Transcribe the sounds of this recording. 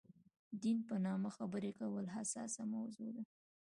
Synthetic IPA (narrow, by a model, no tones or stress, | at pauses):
d̪inpənɑmaxabəɾekawəlɦasɑ̰samawzod̪a